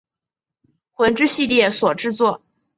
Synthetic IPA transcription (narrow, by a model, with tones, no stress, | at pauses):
xwə˧˥nʈ͡ʂɻ̩˥ɕi˥˧t̪jɛ˥˩swɔ˨˩ʈ͡ʂɻ̩˥˧t͡swɔ˥˩